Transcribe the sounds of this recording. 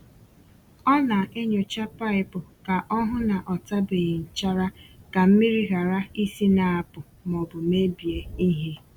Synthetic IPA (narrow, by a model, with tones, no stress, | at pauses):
ɔ˦na˨ʔe˦ɲo˨t͡ʃa˦pa˦ɪ˦pʊ˨ka˨ʔɔ˦ɦʊ˦na˨ʔɔ˨ta˦be˨ɪ˨n̩˨t͡ʃa˦ɾa˦ka˨m̩˦mi˦ɾi˦ɣa˨ɾa˦i˦si˦na˨a˨pʊ˨ | mɔ˨bʊ˨me˦bi˨e˦i˦ɦe˦